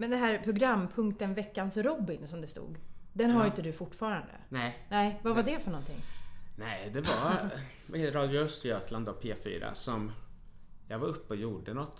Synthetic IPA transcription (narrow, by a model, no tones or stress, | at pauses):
mɛnd̪ɛnɦæːɾpʰɾʊɡɾamːpʰɵŋkt̪ənvɛkːansɾɔbːɪnsɔmd̪ɛst̪ṵːɡd̪ɛnɦaɾɪnt̪əd̪ɵfʊʈːfɑːɾand̪ə̰nɛnɛɪvavaɖɛfœɳɔnt̪ʰɪ̰ŋːnɛɪd̪ɛva | veːt̪ɾɑːd̪jʊœst̪ɪøːt̪ʰland̪ɔpʰḛːfy̰ːɾa̰sɔm | jɑːɡvaɾɵpːəɔjuːɖənɔt̪ː